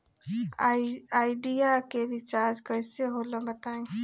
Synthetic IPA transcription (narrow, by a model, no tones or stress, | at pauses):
aːɪɖijakeɾit͡ʃaːɾd͡ʒkəɪseɦolə̃bət̪aːẽ